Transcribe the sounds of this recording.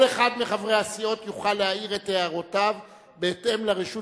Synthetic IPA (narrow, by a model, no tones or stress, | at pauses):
leχad̪miχavʁeasio̞t̪juχalːeaiʁetːeaʁotav | beːte̞mleʁiʃu